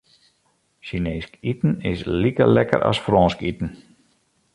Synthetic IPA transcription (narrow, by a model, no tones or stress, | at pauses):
ʃineːskitn̩ɪslikə̰lɛkə̰ɾʔa̰sfrɔːskitn̩